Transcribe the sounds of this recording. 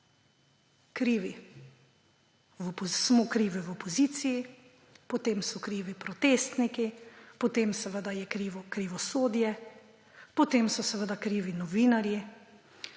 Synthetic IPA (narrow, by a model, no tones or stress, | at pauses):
kɾiːʋi | wɔpɔsmokɾiːʋiwɔpɔziːt̪siji | pɔt̪eːmsɔkɾiːʋipɾɔt̪eːst̪nikipɔt̪emsɛʋəd̪ajɛkɾiʋɔkɾiʋɔsoːd̪jɛ | pɔt̪emsɔsɛʋəd̪akɾiːʋinɔʋiːnaɾji